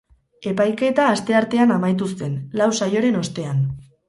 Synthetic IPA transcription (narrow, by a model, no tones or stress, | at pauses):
e̞pajke̞t̪aːst̪e̞aɾt̪e̞anamajt̪̬ust̪e̞nlawsajo̞ɾe̞no̞st̪e̞an